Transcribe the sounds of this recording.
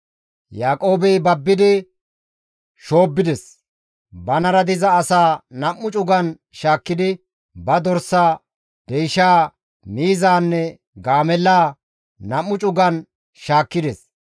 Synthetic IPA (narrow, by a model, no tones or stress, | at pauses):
jaːkʼo̞ːbɛjbɐbːɪd̪ɪ | ʃoːbːɪd̪ɛs | bɐnɐɾɐd̪ɪzɐːsaːnɐmːʊt͡ʃʼʊɡɐn | ʃaːkːɪd̪ɪ | bɐd̪ɔɾsaː | d̪̥ɛjʃaː | miːzaːnːɛ | ɡaːmɛlːaː | nɐmːʊt͡ʃʼʊɡɐn | ʃaːkːɪd̪ɛs